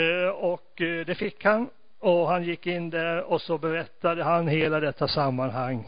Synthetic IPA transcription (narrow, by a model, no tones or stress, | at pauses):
ɔkd̪ɛfɪkːhan | ɔɦanjɪkːɪnːd̪æɾɔsɔbɛɾɛt̪ːad̪əɦanheːlad̪ɛt̪ːasamːanɦaŋː